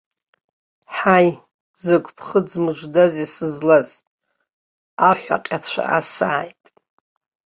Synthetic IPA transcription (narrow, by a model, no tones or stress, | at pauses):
ħaj | zɨkʷʰʼpʰχəd͡zmɨʒʷdazisɨzlaz | aħʷᶣa̰qʲʼat͡ɕʷʰa̰ʔa̰saːjtʼ